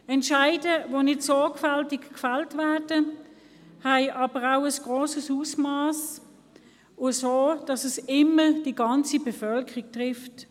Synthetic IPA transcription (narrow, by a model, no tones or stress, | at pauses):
ɛntʃaɪdəvonɪtsɔkfaltɪkkfɛltvæːdə | haɪʔɑb̥əʁaʊəsɡ̥ʁoːsəsusmɑːs | ʊsoːd̥ɑsəsɪməd̥iɡɑnt͡sibefœlkʰəʁik̚tʁɪft